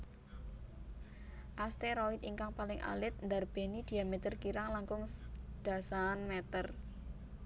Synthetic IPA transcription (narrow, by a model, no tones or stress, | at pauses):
ʔast̪eɾɔit̪iŋkaŋpalɪŋʔa̰lɪt̪̚nd̪arb̥e̤nid̪̥i̤jamet̪ərkiɾaŋlaŋkʊŋd̪̥a̤sanmɛt̪ər